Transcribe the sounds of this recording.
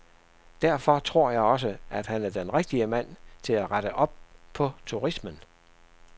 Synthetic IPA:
d̥æɐfɒ̽t͡sʰʁo̝ɐ̰jɑ̈ɪɒ̽s̬əæd̥hænæɐd̥enʁeɡ̥̚d̥iəmæn̰t͡sʰe̝læʁɑɾ̥əʔɒ̽b̥̚pʰɒ̽t͡sʰuʁismən

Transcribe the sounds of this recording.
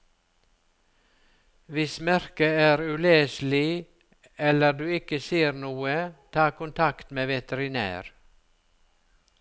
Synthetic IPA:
ʋɪsmæɾkəæːɾʉleːslɪ | ɛləɖʉːɪkəsiːəɾnuːət̪ʰɑːkʊnt̪ʰɑkt̪meːʋɛt̪əɾɪnæ̰ːɾ

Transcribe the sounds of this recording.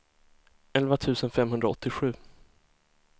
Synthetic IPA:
ɛlvat̪ʰʉ̟ːsənfɛmɦɵnd̪ɾaɔt̪ːɪɧʉ̟ː

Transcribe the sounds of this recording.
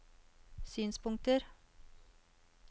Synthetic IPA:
syːnspʰʊŋt̪əɾ

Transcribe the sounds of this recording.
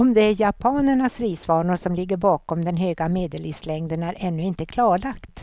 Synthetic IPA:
ɔmd̪ɛæɾjapʰɑːnəɳasɾiːsvɑːɳʊʂɔmlɪɡːəɾbɑːkɔmd̪ɛnɦøːɡameːd̪əlifslɛŋd̪ənæɾʔɛnːɵɪnt̪əkʰlɑːɭakt̪

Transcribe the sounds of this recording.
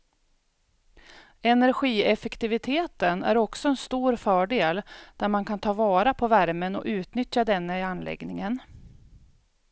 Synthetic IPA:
ɛnæɾɧiːɛfɛkt̪ɪvɪt̪ʰeːt̪ənæ̰ɾɔksɔɛnst̪uːɾfœːɖeːld̪̥æɾmankʰant̪ʰɑːvɑːɾapʰɔvæɾmənɔ̰ʔʉ̟ːt̪nʏt̪jad̪ɛnːəɪanːlɛ̰ɡnɪŋən

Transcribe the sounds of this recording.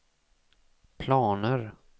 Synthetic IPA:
pʰlɑːnəɾ

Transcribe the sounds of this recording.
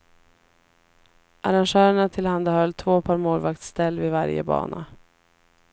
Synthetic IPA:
ʔaɾanʂœːɾəɳat̪ʰɪlhand̪ahœlːt̪ʰvoːpʰɑːɾmoːlvakt̪st̪ɛlːvɪvaɾjə̰bɑ̰ːnʔa̰

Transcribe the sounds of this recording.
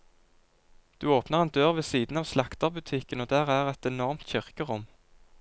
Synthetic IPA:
d̪̥ʉːoːpnəʁeːnd̪øːʁʋeːsiːd̪n̩ɑːʋslɑkt̪ɑʁbʉt̪ʰɪkənoːd̪æːʁæːʁɛt̪ɛnɔʁmt̪çʏʁkəʁʊm

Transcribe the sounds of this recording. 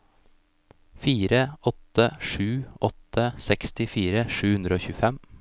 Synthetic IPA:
fiːɾəʔɔt̪əʂʉːʔɔt̪əsɛkst̪ɪfiːɾəʂʉːhʉnd̪ɾəoːçʉːfɛm

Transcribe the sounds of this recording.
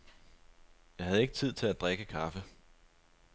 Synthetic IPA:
jɑ̈ɪhæð̞̩ˠe̝ɡ̥ət͡sʰið̞̰ˠt͡sʰe̝læd̥ʁeɡ̥əkʰɑ̈fə

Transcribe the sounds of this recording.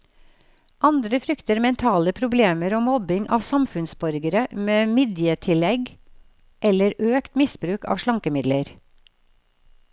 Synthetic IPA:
ʔɑnd̪ɾəfɾʏkt̪əɾmɛnt̪ʰɑːləpʰɾʊbleːməɾoːmɔbɪŋʔɑ̰ːʋsɑmfʉnsbɔɾɡəɾəmeːmiːd̪jət̪ʰɪlɛɡ | ʔɛləɾøːkt̪mɪsbɾʉːkɑ̰ːʋʃɭɑŋkəmɪd̪ləɾ

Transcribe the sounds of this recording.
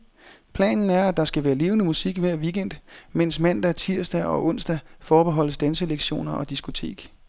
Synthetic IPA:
pʰlɛ̰ːnn̩æɐæd̥ɑ̈sɡ̥æʋæːɐle̝ːʊnəmusiɡ̥ʋæɐ̰ʋiɡ̥en̰d̥men̰smæn̰d̥æɐt͡sʰiɐ̰sd̥æʔɒ̽ʔɔ̽n̰sd̥æfɒːb̥e̝ɦɒ̽l̰əsd̥ænsəleɡ̥ɕo̝̰ːnɐʔɒ̽d̥isɡ̥o̝t͡sʰe̝̰ːɡ̥

